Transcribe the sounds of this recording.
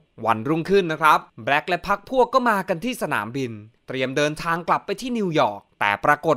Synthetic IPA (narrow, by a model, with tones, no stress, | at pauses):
wa˧nɾu˥˩ŋkʰɯ˥˩nːa˦˥kʰɾa˦˥p̚bɾɛ˦˥k̚lɛ˦˥pʰa˦˥k̚pʰu˥˩əkːɔː˥˩maː˧ka˧nt̪ʰiː˥˩sa˧na̰ː˩˦mbi˧nt̪ɾi˧əmdɤː˧nt̪ʰaː˧ŋkla˨˩pːa˧jt̪ʰiː˥˩ni˧wjɔ̰ː˨˩k̚t̪ɛ̰ː˨˩pɾaː˧ko˨˩t̪